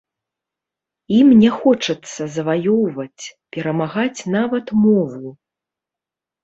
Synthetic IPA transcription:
imnʲɛxɔt͡ʂɐt̪sːɐzɐvajɔwvɐt͡sʲpʲɛɾɐmaɣat͡sʲnavɐt̪mɔvu

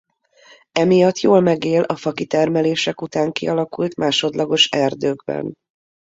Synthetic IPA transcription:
ɛmijɒt̪ːjoːlmɛɡeːlɒfɒkit̪ɛrmɛleːʃɛkut̪aːŋkḭɒlɒkult̪mʔaːʃo̞d̪lɒɡo̞ʃɛrd̪øːɡbɛ̰n

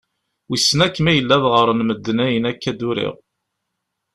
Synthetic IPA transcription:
wisːnækːmæjəlːæðʁəɾˤənməd̪ːənæjənækːæd̪uɾḭʁ

